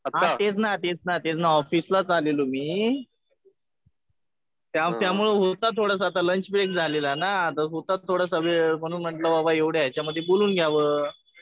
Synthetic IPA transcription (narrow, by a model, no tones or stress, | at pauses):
ətat̪et͡snat̪et͡snat̪et͡snaɔfislat͡salelomiː | t̪jat̪jamuɭeɦot̪at̪ʰoɽas̬at̪aləɲt͡ɕbɾekd͡zʱalelanat̪əɦot̪at̪ʰːoɽas̬aʋeməɽ̃uːnm̤əɳʈlababaeʋɽjajat͡ɕjaməd̪ʱːjeboluːnɡʱjaʋəː